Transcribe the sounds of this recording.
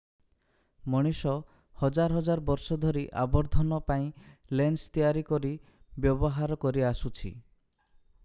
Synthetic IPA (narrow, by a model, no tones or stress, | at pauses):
mɔɽ̃isɔ | hɔd͡ʒaɾɦɔd͡ʒaɾbɔɾsɔd̪ʱɔɾiʔa̰bɔɾd̪ʱɔnɔpaĩlenst̪ijaɾikɔɾibjɔbɔɦaɾɔkɔɾiasut͡ʃʰḭ